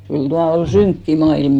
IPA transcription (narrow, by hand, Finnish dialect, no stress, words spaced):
kyl tuɑ ol syŋkːi mɑilm